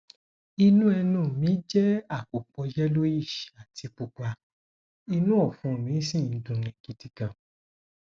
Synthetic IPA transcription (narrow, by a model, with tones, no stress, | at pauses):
i˧nũ˦ɛ˧nũ˦˨mĩ˨˦d͡ʒɛ˦a˦˨k͡po˨k͡pɔ˧jɛ˦lo˦i˦˨ʃi̥˨a˨tʰi˨˧k͡pu˧k͡pa˧ | i˧nũ˦ɔ˦˨fũ˨˦˨mĩ˨˦sĩ˦˨n̩˦dũ˧˨nĩ˨ki˧ti˧kã˨